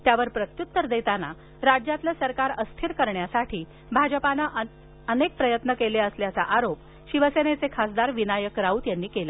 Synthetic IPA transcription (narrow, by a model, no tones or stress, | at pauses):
t̪jaʋəɾpɾət̪jut̪ːəɾd̪et̪ana | ɾad͡ʑjat̪lasəɾkaɾəst̪ʰiɾkəɾɳjasaʈʰiː | bʱad͡ʑəpanaʔ | ənek̚pɾəjət̪nəkeleəsljat͡saʔaɾop̚ | ɕiʋəsenet͡sekʰasd̪aɾʋinajəkɾaut̪janːiːkela